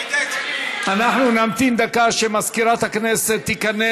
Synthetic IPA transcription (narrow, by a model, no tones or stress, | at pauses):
ʔanaħnunamt̪ind̪akaʃemaskiɾat̪hakneːset̪ːikanːe